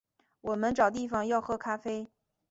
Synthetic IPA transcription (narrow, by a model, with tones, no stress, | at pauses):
wɔ˨˩mə˦nʈ͡ʂɑ˨˩ʊt̪i˥˩fɑ˨˩ŋjɑ˥˧ʊxɤ˥˩kʰa˥fe˥ɪ